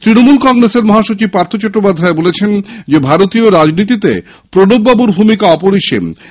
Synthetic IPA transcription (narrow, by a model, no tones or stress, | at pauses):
t̪ɾinomulkɔŋɾeseɾmɔɦaʃot͡ɕib̚paɾt̪ʰot͡ɕɔʈːopad̪ʱːaebolet͡ɕʰend͡ʑebʱaɾot̪ioɾad͡ʑnit̪it̪e | pɾonobːabuɾbʱumikaɔpoɾiʃḛm